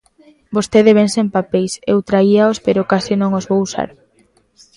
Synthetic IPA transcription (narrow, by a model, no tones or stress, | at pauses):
bost̪eðeβensempapejsḛwt̪ɾaiaospeɾokasɪnõŋozβowsa̰ɾ